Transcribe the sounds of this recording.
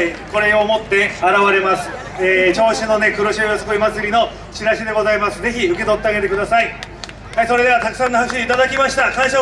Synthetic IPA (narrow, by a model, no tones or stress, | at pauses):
ko̞ɾe̞omo̞t̪ːe̞aɾaβaɾe̞masɨ̥ | eːt͡ɕo̞ːɕino̞ne̞kɯ̟ɾoɕiojasokoimat͡sɨɾʲino̞ | ɕiɾaɕid̪e̞ɡo̞zaimasɨze̞çiɯ̟ke̞t̪o̞t̪ːe̞aɡe̞t̪e̞kɯ̟d̪asai | haiso̞ɾe̞d̪e̞β̞at̪akɯ̟sãnːohakɕiit̪ad̪akʲimaɕi̥t̪akãĩɕa